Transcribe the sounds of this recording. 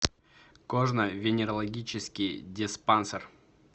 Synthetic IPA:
koʐnəvʲɪnʲɪɾəlˠɐɡʲit͡ɕɪskʲijdʲɪspansər

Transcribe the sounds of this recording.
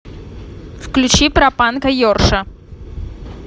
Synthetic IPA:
fklʲʊt͡ɕipɾɐpankɐjorʂɐ

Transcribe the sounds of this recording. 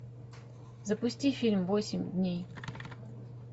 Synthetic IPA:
zəpʊsʲtʲifʲilʲmvosʲɪmʲd̪ʲnʲej

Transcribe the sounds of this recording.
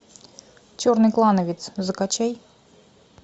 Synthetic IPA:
t͡ɕornɨklˠanəvʲɪt̪szɨkat͡ɕej

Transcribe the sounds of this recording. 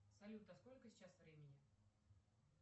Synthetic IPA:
sɐlʲut̪əskolʲkəsʲɪ̥t͡ɕasvɾʲemʲɪnʲɪ

